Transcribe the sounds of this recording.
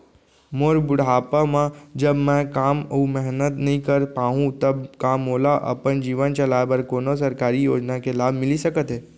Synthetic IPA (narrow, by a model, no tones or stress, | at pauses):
moɾbʊɽaːpamãd͡ʒəbmɛ̃kaːmumɛɦnət̪nəɦĩkəɾpaːɦũt̪əbkamoːlaʔə̰pənd͡ʒiːʋənt͡ʃɐlabəɾkoːnosəɾkaːɾijoːd͡ʒnakelaːbʱmɪlisəkət̪ɦeː